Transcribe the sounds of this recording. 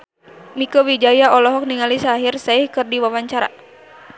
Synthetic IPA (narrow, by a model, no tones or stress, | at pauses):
mikowid͡ʒajaɔlɔɦɔk̚niŋalisaːɦirsaihkɨrdiwawaɲt͡ʃaɾa̰